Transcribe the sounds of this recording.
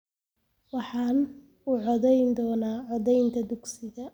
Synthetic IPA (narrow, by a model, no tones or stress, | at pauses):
wɑħɑːn | uːʕɔðɛjnd̪ɔːnaːʕɔðɛjnt̪ʰɐd̪ʊɡsɪɣɐ